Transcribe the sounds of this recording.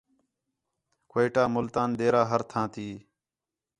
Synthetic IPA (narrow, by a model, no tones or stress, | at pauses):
kːiʈaːmʊlt̪aːnd̪eːɾaːɦəɾt̪ʰãːt̪iː